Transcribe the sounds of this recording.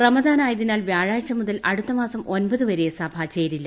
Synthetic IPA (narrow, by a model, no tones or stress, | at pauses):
rɐmɐd̪aːnaːjɐðinaːlʋjaːɻaːɻt͡ɕɐmuðɐlʔɐɽut̪ːɐmaːsɐmo̞nbɐðɨʋɐɾejesɐbʱɐt͡ɕeːɾilːɐ